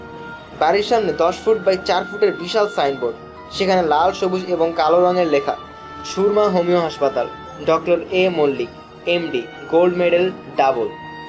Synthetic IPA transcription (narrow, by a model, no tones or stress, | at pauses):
baɾiɾʃamned̪ɔʃfʰuʈ̚bajt͡ɕaɾfuʈeɾbiʃalsajnboɾɖ | ʃekʰanelalʃobud͡ʑeboŋkaloɾɔŋeɾlekʰa̰ | ʃuɾmaɦomioɦaʃpat̪al | ɖɔkʈoɾemolːik | emɖiɡolɖmeɖelɖabol